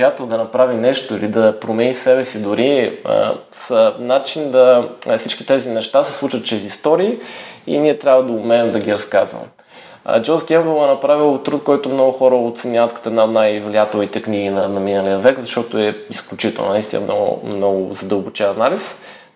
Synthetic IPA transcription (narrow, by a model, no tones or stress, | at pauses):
jat̪ɛlˠd̪ɐnɐpɾavinɛʃt̪oilid̪ɐpɾomɛnisɛbɛsid̪ʊɾiə̰ | sənat͡ʃind̪ɐfsit͡ʃkit̪ɛzinɛʃt̪asɛ̥slˠut͡ʃvət̪t͡ʃɾɛzist̪ɔɾiːḭniɛt̪ɾʲjabvəd̪ɐʊmɛɛmd̪ɐɡʲiɾɐskazvə̰m̰ | d͡ʒɔzɡʲɛnvəlˠɛnɐpɾavilˠt̪ɾut̪̚kɔjt̪omnɔɡʊxɔɾəot̪sɛnʲavət̪kɐt̪oɔɛd̪naod̪najvlijat̪ɛlˠit̪ɛkniɡinɐnɐminəlijəvɛkzɐʃt̪ɔt̪oɛisklʲut͡ʃit̪ɛ̰lˠnonɐist̪ḭnə̰nɔɡʊ̰mnɔɡʊ̰zɐd̪əlˠbʊt͡ʃɛnɐnalis